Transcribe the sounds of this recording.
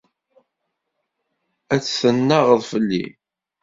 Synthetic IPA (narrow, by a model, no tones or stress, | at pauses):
æt͡sːθənːaʁəðˤfəlːḭ